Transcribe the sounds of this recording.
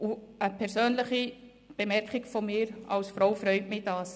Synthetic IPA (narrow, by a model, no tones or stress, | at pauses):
uəpʰɛɾsøːnlɪχi | b̥emɛɾkɪɡfɔmɪːɾɑ̰lsfɾowfɾœʏtmɪd̥ɑːs